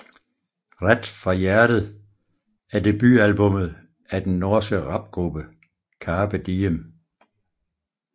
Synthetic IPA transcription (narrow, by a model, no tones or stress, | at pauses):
ʁad̥fʁɑjæɐɾ̥əð̩ˠ | æɐd̥e̝b̥y̰ælb̥ɔ̽mð̩ˠ | æd̥enːɔːsɡ̥əʁɑ̈b̥̚ɡ̥ʁub̥ə | kʰɑːb̥æd̥iəm